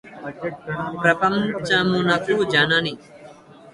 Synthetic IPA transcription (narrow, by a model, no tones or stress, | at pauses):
pɾəpəmt͡ʃãmũːnaːkuːd͡ʒaːnãːniː